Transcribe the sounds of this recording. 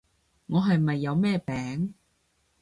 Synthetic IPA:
ŋɔː˨˧ɦɐ˨jmɐ˨jːɐ˨˧wmɛː˥pɛː˨˥ŋ

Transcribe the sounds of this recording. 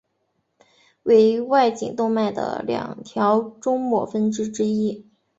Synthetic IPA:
we˧˥ɪ˧˥wa˥˩ɪt͡ɕḭ˨˩ŋt̪ʊ˥˧ŋma˥˩ɪd̪ə̰˩ljɑ̰˨˩ŋt̪ʰjɑ˧˥ʊʈ͡ʂʊ˥ŋmwɔ̰˥˩fə˥nʈ͡ʂɻ̩˥ʈ͡ʂɻ̩˥i˥

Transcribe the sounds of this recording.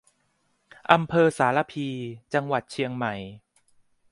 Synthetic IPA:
ʔa˧mpʰɤː˧saː˩˦la˧pʰiː˧t͡ɕa˧ŋwa˨˩t̪̚t͡ɕʰi˧əŋma˨˩˦j

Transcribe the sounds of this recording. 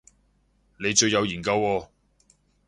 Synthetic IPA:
ne˨˧jt͡ʃɵ˧ɥjɐ˨˧wjiː˨˩nkɐ˧wɔː˧

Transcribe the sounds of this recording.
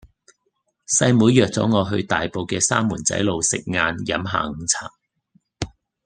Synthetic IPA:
sɐ˧jmuː˨˧jœː˨k̚t͡sɔ̰ː˨˥ŋɔː˨˧ɦɵ˧ɥt̪aː˨jpo˨˧wkɛː˧saː˥mːuː˨˩nt͡sɐ̰˨˥jlo˨˧wsɪ̰˨k̚ŋaː˧njɐ˨˥mɦa̰ː˧ŋ̩˨˧t͡sʰa̰ː˨˩k̚

